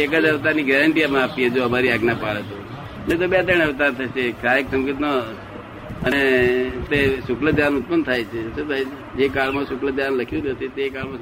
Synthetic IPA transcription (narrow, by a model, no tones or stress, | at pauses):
ekəd͡ʒəʋt̪aɾniɡɛɾəɳʈijamãapied͡ʒoɦəmaɾiaɡnapaɭet̪o | met̪̬obet̪əɽ̃əʋt̪aɾt̪ʰəʃekʰɾaɾeksəmɡit̪no | ənet̪esʊkləd̪ʱjanʊt̪̚pənt̪ʰajt͡ʃʰesud̪ʱaj | d͡ʒekaɭmãsʊkləd̪ʱjanləkʰjũnɦət̪et̪ekaɭmã